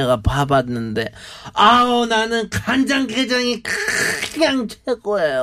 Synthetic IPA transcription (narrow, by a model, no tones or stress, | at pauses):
aɡapabanːɯnde̞aonanɯnkand͡ʑaŋked͡ʑaŋikɯɯɲaŋt͡ɕʰeɡoejo